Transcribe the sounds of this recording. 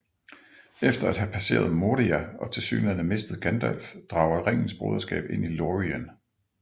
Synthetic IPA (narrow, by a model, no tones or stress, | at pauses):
efd̥ɐæd̥ɦæpʰæse̝̰ːɐð̞̩ˠmo̝ːdiæɒ̽t͡sʰe̝lsy̰ːnɐnəme̝sd̥ð̩ˠɡ̥ænd̥ælfd̥ʁɑ̈ʊɐedʁeŋ̰n̩sb̥ʁo̰ːðˠɐsɡ̥ɛ̰ːb̥e̝n̰iloʁiæn